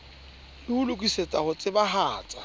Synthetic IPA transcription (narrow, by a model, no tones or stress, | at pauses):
lɪulʊkʼiset͡sʼahʊt͡sʼɪbaɦaːt͡sʼḁ